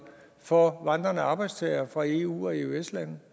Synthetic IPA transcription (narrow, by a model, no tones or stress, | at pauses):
fɒʋɑ̈nd̥ʁɐnəɑ̈ːb̥ɑ̈ɪd̥st͡sʰɛɪɐfʁɑ̈e̝ṵːɒ̽e̝ueslænð̩ˠ